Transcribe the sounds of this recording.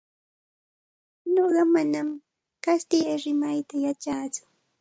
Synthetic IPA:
noɢɑmanam | kast̪ɪɢejɾɪmajt̪ajat͡ʃaːt͡sʊ̥

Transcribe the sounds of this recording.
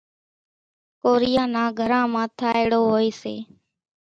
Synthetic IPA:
koːɾɪjãːnãːɡʱəɾãːmãːt̪ʰaːɪɽoːɦoːeːsḛː

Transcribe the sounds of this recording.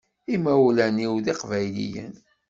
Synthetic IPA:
imæwlæniwðiqvæjlḭjə̰n

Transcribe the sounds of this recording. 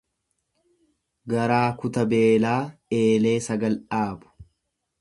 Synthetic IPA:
ɡɐɾaːkʊt̪ɐbe̞ːlaːe̞ːle̞ːsɐɡɐlᶑaːbʊ̥

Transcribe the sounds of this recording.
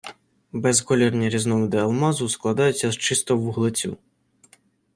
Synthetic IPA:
bɛzkɔlʲɛrnʲiɾʲiznɔʋʊd̪ɪɐlˠmɑzʊsklˠɐd̪ɑjʊt͡sʲːɐzt͡ʃɪst̪ɔʋuɦlˠɪt͡sʲṵ

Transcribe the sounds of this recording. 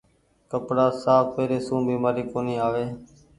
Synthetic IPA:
kəpɽaːsaːfpeːɾeːsũːbiːmaːɾiːkoːniːaːʋeː

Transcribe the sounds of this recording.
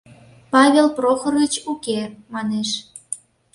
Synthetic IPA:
pɑβʲelproxə̆rɣət͡ɕukemɑneʃ

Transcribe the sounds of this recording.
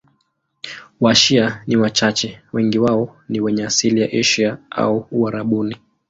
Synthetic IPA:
waʃianiwat͡ʃat͡ʃɛwɛŋɡiwaɔniwɛɲɛasilijaʔɛʃiaa̰uuwaɾaɓuni

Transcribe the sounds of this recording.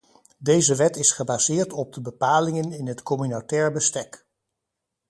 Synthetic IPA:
dejzəʋɛtɪsχəbaːz̥ɪːɹtɔb̚dəbəpaːlɪŋənɪnɦətkɔmynatɛːɹbəstɛk

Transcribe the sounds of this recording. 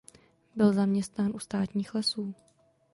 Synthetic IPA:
bɪlzamɲɛst̪naːnʔust̪aːt̪ɲiːxlɛsuː

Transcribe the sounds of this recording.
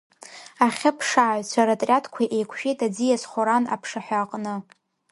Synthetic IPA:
aχʲɪpʰʂaːɥt͡ɕʷʰaɾatʼrʲatʰkʷʰajʔejkʷʰʃᶣejtʼad͡zijasχʷoɾana̰pʰʂaħʷᶣaqʼnɨ

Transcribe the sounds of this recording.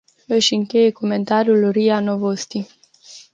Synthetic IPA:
əʃiŋkeekomːent̪aːɾjuloɾianovost̪i

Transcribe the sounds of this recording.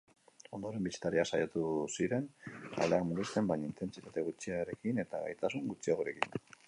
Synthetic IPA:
o̞nd̪o̞ɾe̞mbisi̥t̪aɾiasajat̪usiɾe̞na̰ld̪e̞akmuɣist̪e̞mbaɲaint̪e̞nt͡sit̪at̪e̞ɣut͡siaɾe̞kine̞t̪aβa̰jt̪asuŋɡut͡siaɣoɾe̞kḭn

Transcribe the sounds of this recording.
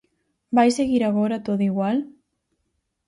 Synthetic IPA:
bajseɣiɾaɣ̞oɾat̪oðiɣwal

